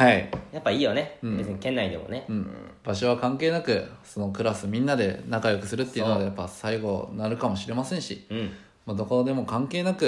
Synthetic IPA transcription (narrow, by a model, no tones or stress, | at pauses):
haijapːaiːjo̞ne̞ɯ̟̃bezeɲikẽ̞nːaid̪e̞̰moneɯ̟̃ːɴb̥aɕ̬o̞β̞akãŋkeːnakɯ̟so̞no̞kɯ̟ɾasɨmʲĩnːad̪e̞nakajo̞kɯ̟̥sɨɾɯ̟t̪ːeiɯ̟nod̪ejapːasaiɡo̞naɾɯ̟kamo̞ɕiɾe̞masẽɰ̃ɕi | mad̪o̞ko̞d̪e̞mo̞kãŋke̞ːnakɯ̟